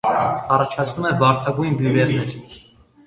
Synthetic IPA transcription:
ɑrɑt͡ʃʰɑt͡sʰnumɛvɑɾt̪ʰɑɡujnbjuvɛɾnɛɾ

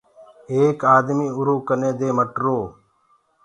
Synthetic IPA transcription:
eːkaːd̪miːʊɾoːkənẽːd̪eːməʈɾoː

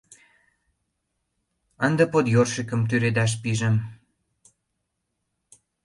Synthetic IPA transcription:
ənd̪əpot̪jorʃikə̆mt̪yɾed̪ɑʃ̬piʒə̆m

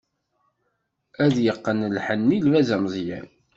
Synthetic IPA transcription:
æðjəqːənlħənːilvæzæmzˤjæ̰n

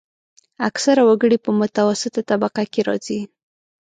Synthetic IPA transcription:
aksaɾawaɡəɽipəmʊt̪awasɪt̪at̪abaqakeɾɑ̰zi

